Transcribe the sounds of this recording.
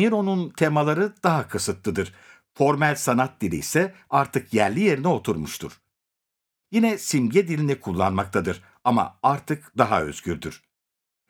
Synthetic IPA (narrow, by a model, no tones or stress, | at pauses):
miɾo̞nunt̪ʰe̞malˠaɾɯd̪aɦakʰɯsɯt̪lˠɯd̪ɯɾ̥ | fo̞ɾmælʲsanat̪̚d̪ilʲḭisɛaɾt̪ʰɯkjæɾlʲije̞ɾinɛo̞t̪ʰuɾmuʃt̪ʰuɾ̥ | jinɛsimɟɛd̪ilʲind̪ɛkʰulˠːa̰nmak̚t̪ʰad̪ɯɾ | ama̰aɾt̪ʰɯkd̪aɦaø̞̰z̥ɟyɾd̪yɾ̥